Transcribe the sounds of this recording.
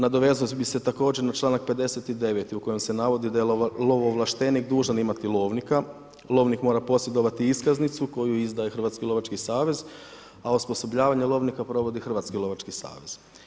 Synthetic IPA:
nad̪o̞ʋe̞znost̪biset̪ako̞ːd͡ʑe̞ɾnat͡ʃlˠaːnak̚pe̞d̪e̞se̞t̪id̪e̞ʋet̪iuko̞je̞mse̞naʋo̞d̪id̪ajelo̞ʋoʋlˠaʃt̪e̞nikd̪uːʒanimat̪ilˠo̞ːʋnika | lˠo̞ːʋnikmo̞ːɾapo̞sje̞d̪o̞ʋat̪iiskaznit̪suko̞juizd̪ajexr̩ʋat̪skilo̞ʋat͡ʃkisaːʋe̞z | auspo̞so̞bʎaːʋaɲelˠo̞ːʋnikapɾo̞ʋo̞d̪ixr̩ʋaːt̪skilˠo̞ʋat͡ʃkisa̰ːʋez̥

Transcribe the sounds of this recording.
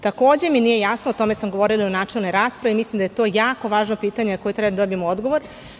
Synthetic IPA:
t̪akoːd͡ʑe̞minije̞jasnoot̪o̞mesamɡoʋo̞ɾilˠionaːt͡ʃelˠne̞jɾaːspɾaʋimislimd̪ajet̪o̞ːjaːko̞ʋaːʒnopiːt̪aɲenakojet̪ɾɛbad̪ad̪obimood̪ɡoʋoɾ

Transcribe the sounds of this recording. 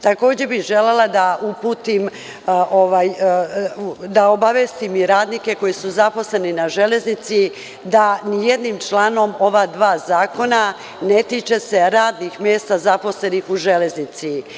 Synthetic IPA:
t̪ako̞ːd͡ʑe̞biʒe̞lelad̪aʔupuːt̪im | ʔoʋaːj | d̪aobaʋest̪imiɾaːd̪nike̞ko̞jisuzapo̞sle̞ninaʒe̞le̞znit̪si | d̪anijed̪niːmt͡ʃlaːno̞mo̞ʋad̪ʋaːzaːko̞na | net̪iːt͡ʃe̞se̞ɾaːd̪nixmje̞ːst̪azapo̞sle̞nixuʒe̞le̞znit̪si

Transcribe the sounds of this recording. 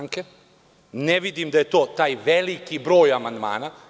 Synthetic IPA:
ŋke | neʋid̪imd̪aje̞t̪o̞ːt̪aːjʋelikibɾo̞ːjamand̪ma̰ːna

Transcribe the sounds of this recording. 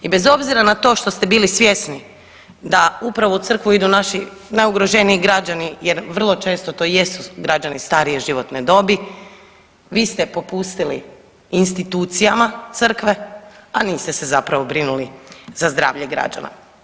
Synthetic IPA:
ibe̞zo̞bziɾanat̪o̞ːʃt̪o̞st̪e̞biːlisʋje̞sni | d̪aupɾaʋout̪sər̩kʋuid̪unaʃi | najuɡɾo̞ʒe̞niːɡɾad͡ʒanijeɾʋr̩lˠo̞t͡ʃe̞ːst̪o̞t̪o̞ːje̞suɡɾad͡ʒanist̪aːɾije̞ʒiʋo̞t̪ned̪o̞bi | ʋiːst̪e̞po̞pust̪ilḭː | nst̪it̪uːt̪sijamat̪ɨr̩kʋe̞aniːst̪ese̞zapɾaʋo̞bɾinulizazd̪ɾa̰ːʋʎeɡɾa̰d͡ʒa̰na̰

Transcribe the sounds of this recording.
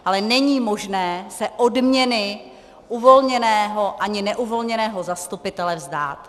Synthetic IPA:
ʔalɛnɛɲiːmo̞ʒnɛːsɛʔodmɲɛnɪ | ʔuvo̞lɲɛnɛːɦo̞ʔaɲɪnɛʔuvo̞lɲɛnɛːɦozast̪upɪt̪ɛlɛvzda̰ːt̪

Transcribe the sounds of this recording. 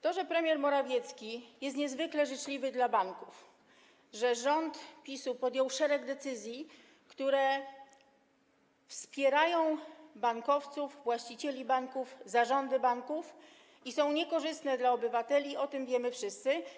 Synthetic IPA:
t̪ɔʐɛpɾɛmʲjɛɾmɔɾavʲjɛt̪skʲijɛst̪ɲɛzvɘklɛʐɘt͡ʂlʲivɘd̪labaŋkuf | ʐɛʐɔnt̪pʲisupɔd̪ʲjɔwʂɛɾɛɡd̪ɛt̪sɘzʲji | kt̪uɾɛ | fspʲjɛɾajɔ̃w̃baŋkɔft̪suvvwaɕt͡ɕit͡ɕɛlʲibaŋkufzaʐɔnd̪ɘbaŋkuf | isɔ̃w̃ɲɛkɔʐɘst̪nɛd̪laɔbɘvat̪ɛlʲiɔt̪ɘmvʲjɛmɘfʂɘst̪sɘ

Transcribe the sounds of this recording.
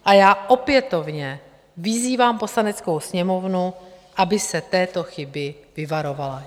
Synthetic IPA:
ʔajaːʔo̞pjɛt̪o̞vɲɛ | vɪziːvaːmpo̞slanɛt͡sko̞wsɲɛmo̞vnu | ʔabɪsɛt̪ɛːt̪o̞xɪbɪvɪvaɾo̞vala

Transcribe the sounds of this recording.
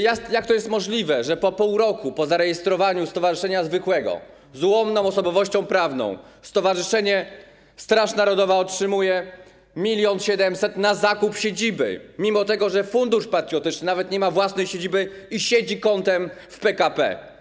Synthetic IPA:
jajak̚t̪ɔjɛst̪mɔʐlʲivɛʐɛpɔpuwɾɔkupɔzaɾɛjɛst̪ɾɔvaɲust̪ɔvaʐɘʂɛɲazvɘkwɛɡɔ̰ | zwɔmnɔ̃w̃ɔsɔbɔvɔɕt͡ɕɔ̃w̃pɾavnɔ̰̃w̃ | st̪ɔvaʐɘʂɛɲɛ | st̪ɾaʂnaɾɔd̪ɔvaɔtʂɘmujɛ | mʲilʲjɔnɕɛd̪ɛmsɛt̪nazakupɕed͡ʑibɘ̰mʲimɔt̪ɛɡɔʐɛfund̪uʂpat̪ɾʲjɔt̪ɘt͡ʂnɘnavɛt̪ɲɛmavwasnɛjɕed͡ʑibɘiɕed͡ʑikɔnt̪ɛmfpɛkapɛ̰

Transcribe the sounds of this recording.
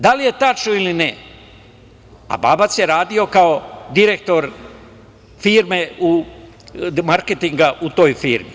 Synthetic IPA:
d̪alije̞t̪at͡ʃnoiline | a̰ba̰ːbat̪sjeɾaːd̪io̞kaod̪iɾe̞k̚t̪o̞ɾ | fiːɾmeu | maɾket̪iŋɡaʔut̪o̞ːjfiːɾmḭ

